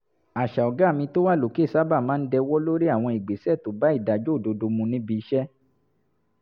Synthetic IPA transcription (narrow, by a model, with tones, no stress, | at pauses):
a˨ʃa˨ɔ˨ɡa˨˦˨mĩ˧to˦wa˦˨lo˨ke˦˨sa˦ba˦˨mãː˦n̩˦dɛ˧wɔ˦lo˦ɾi˦a˦˨w̃ɔ̃˧i˨ɡ͡be˨sɛ˦˨to˨ba˦i˦˨da˨d͡ʒo˦˨do˧do˧mũ˧nĩ˦bi˧i˧˦ʃɛ˦